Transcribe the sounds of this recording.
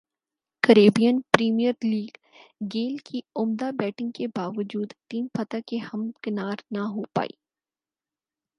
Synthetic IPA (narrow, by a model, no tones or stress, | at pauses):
kəɾeːbijənpɾiːmijəɾliːɡ | ɡeːlkʰiʊmd̪abɛːʈɪ̃ŋɡkebaːʋəd͡ʒuːd̪ʈiːmpɐt̪akehɐmkɪnaːɾnaɦopa̰ːḭː